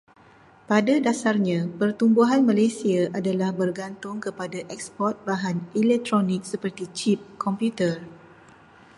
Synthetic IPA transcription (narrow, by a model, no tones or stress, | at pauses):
padadasarɲãpərt̪umbuɦanmãlajsiaʔadalahbərɡant̪ʊŋkəpadaʔɛk̚spɔrt̪̚baɦanilɛk̚t̪ɾonɪ̃k̚səpərt̪it͡ʃip̚kʰɔmpjut̪ər